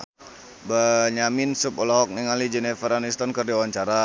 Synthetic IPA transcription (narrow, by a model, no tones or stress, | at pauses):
baɲamɪnsupɔlɔɦɔk̚nɛŋalid͡ʒɛnɛfəɾanist̪ɔnkərdiawaɲt͡ʃaɾa